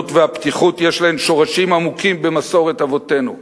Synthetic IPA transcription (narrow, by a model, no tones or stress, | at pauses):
tveaptiχutjeʃlahe̞mʃo̞ʁaʃimamukimbe̞maso̞ʁetavo̞te̞nu